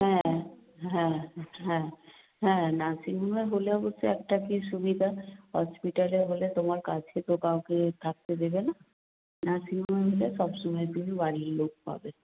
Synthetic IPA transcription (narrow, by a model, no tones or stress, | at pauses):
ɦɛ̃ | ɦɛ̃ɦɛ̃ | ɦɛ̃nasinumeɦoleboseɛːk̚ʈakisubid̪ʱaɦɔspiʈəleɦolet̪omaɾkad͡ʒʰket̪okaoket̪ʰak̚t̪ed̪ebena | nasinumeɦolesɔbsumɛjt̪umibaɾiɾloɡ̚pa̰be